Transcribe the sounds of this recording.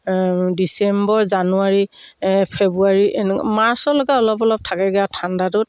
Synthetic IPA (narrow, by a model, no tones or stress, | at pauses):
disɛmbɔɹzanuaɹipʰebuaɹiʔnmaɹsɔlɔɡaɔlɔpɔlɔp̚tʰakɛɡɛatʰandatʊt̚